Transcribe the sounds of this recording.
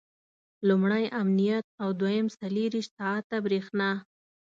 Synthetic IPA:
lumɽajʔamnijat̪̚awd̪wajəmsaleɾiʃt̪ɑat̪ːabɾexnɑ

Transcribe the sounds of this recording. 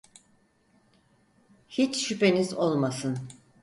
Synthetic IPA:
hit͡ʃʃype̞nizo̞lˠmasɯn

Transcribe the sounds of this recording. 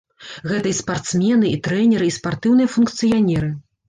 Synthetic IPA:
ɣɛt̪ɐispart̪smʲɛnɨʔit̪ɾɛnʲɛɾɨispart̪ɨwnɨjɐfunkt̪sɨjanʲɛɾɨ

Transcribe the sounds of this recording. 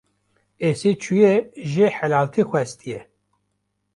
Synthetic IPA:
eset͡ʃʰujeʒeħɛlɑːlt̪ʰixʷɛst̪ʰijɛ

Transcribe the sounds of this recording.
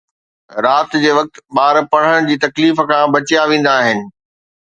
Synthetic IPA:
ɾaːt̪d͡ʑeːʋɐk̚t̪ɓaːɾpɐɽ̤əɽ̃d͡ʑiːt̪ɐkliːfkʰãbɐt͡ɕjaʋẽːn̆d̪aːɦɪnɪ̆

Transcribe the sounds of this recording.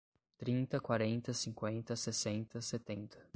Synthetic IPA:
t̪ɾĩnt̪ɐkwaɾẽnt̪ɐsĩŋkwẽnt̪ɐsesẽnt̪ɐset̪ẽnt̪ɐ̥

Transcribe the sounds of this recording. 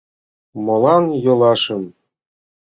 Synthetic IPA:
mɤ̆lˠɑnjɤ̆lˠɑʂɤ̆n

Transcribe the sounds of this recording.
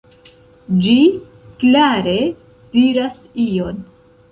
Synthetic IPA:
d͡ʒi | klaɾe̞ | d̥iɾas | ijo̞n

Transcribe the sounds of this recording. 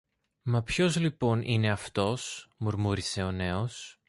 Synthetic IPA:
mɐpço̞zlipo̞nʔine̞ɐft̪o̞smuɾmuɾise̞o̞ne̞os

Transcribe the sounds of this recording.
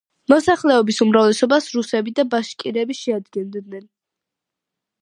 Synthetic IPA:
mɔsaχlɛɔbisumɾavlɛsɔbasɾusɛbid̪abaʃkʼiɾɛbiʃɛad̪ɡɛnd̪nɛn

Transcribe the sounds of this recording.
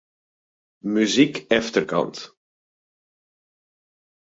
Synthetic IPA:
myzikɛftərkɑ̰nt

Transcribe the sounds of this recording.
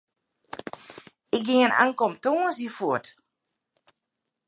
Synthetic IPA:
ɪk̚ɡɪŋənʔa̰ŋkomtoːənsifuət

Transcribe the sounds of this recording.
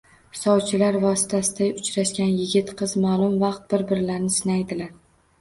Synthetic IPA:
hɪ̥sɒbt͡ʃʰɪlaɾvɒsɪ̥t̪ʰasɪd̪aʊt͡ʃɾaʃkʲanjɪɡʲɪt̪qʰɨzmalˠʊmvɑqt̪̚bɪɾbɪɾlaɾnɪsɪnajd̪ɪlaɾ

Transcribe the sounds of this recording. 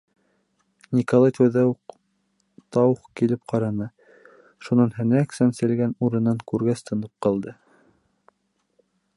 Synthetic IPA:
nʲikolˠɑjt̪æwðæuq | t̪ɑwχkilɘp̚qɑɾɑnɤ | ʃunɑnɦæ̆næksænsɘ̆lɡænuɾɤ̆nːɑŋkʉɾɡæst̪ɤ̆nɤp̚qɑlˠd̪ɤ

